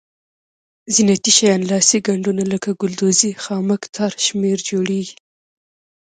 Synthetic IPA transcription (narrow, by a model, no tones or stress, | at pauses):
zinat̪iʃajɑnlɑsiɡaɳɖunaləkaɡʊld̪ozixɑməkt̪ʰaɾʃmeɾd͡ʒoɽeɡi̥